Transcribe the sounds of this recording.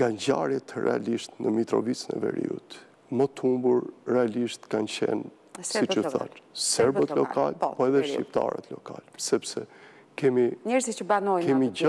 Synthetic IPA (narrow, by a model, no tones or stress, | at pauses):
ɡand͡ʑaɾjɛt̪ərɛ̰aliʃt̪nəmit̪ɾɔvit͡sənɛ̰vɛ̰ɾḭṵt̪ | mət̪umbuɾrɛaliʃt̪kant͡ɕɛ̰n | sit͡ʃəθa̰nsɛɾbət̪lɔkalpɔɛðɛʃip̚t̪a̰ɾə̰t̪lɔkalsɛpsɛ | kɛmiɲɛɾzit͡ʃəbanɔjkɛmi